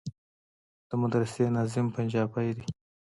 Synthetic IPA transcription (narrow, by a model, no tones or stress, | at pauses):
d̪̥əmʊd̪ɾɪsenɑzɪmpand͡ʒɑbajd̪i